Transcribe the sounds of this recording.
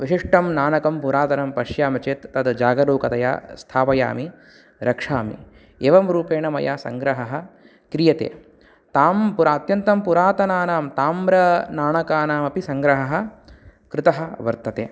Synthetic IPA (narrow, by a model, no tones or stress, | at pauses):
ʋiʃiʂʈɐmnaːnɐkɐmpuɾaːt̪ɐnɐmpɐʃjaːmɐt͡ʃeːt̪ːɐd̪d͡ʒaːɡɐɾoːkɐt̪ɐja̰ːst̪ʰaːpɐja̰ːmi | ɾɐkʂaːmḭ | eːʋɐmɾuːpeːɳɐmɐ̰jaːsɐŋɡɾɐɦɐɦɐ̆ | kɾijɐt̪ḛː | t̪aːmpuɾaːt̪jɐnt̪ɐmpuɾaːt̪ɐnaːnaːmt̪aːmɾɐnaːɳɐkaːnaːmɐpisɐŋɡɾɐɦɐɦɐ̆kɾɪt̪ɐɦɐʋɐɾt̪ɐt̪ḛː